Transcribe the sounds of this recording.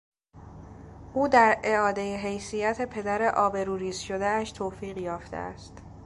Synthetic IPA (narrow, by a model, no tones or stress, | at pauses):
ʔuːd̪æɾe̞ɒːd̪ejeɦe̞jsijæt̪ʰe̞pʰe̞d̪æɾe̞ʔɒːbe̞ɾuːɾiːzʃo̞d̪eæʃt̪ʰoːfiːɣjɒːft̪ʰḛʔæ̰st̪